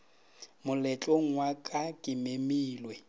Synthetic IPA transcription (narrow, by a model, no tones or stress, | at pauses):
mʊlɛt͡ɬʼoŋ̩ŋwakʼakʼɪmemiːlwe